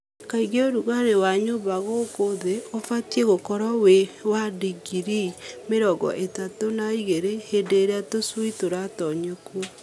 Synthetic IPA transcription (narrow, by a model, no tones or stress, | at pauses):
kaiɣeoɾuɣanewaɲoβaɣokoðeofatieɣokɔɾawewadiɡiɾimeɾɔɡɔ̰ʔetatonaiɣeɾehedeɾeatoswitoɾatɔɲokwo